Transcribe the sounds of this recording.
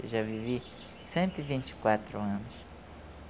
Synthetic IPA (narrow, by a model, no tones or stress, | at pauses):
ḛʒavivi | sẽnt̪ʊivĩnt͡ʃi̥kwat̪ɾʊɐ̃nʊs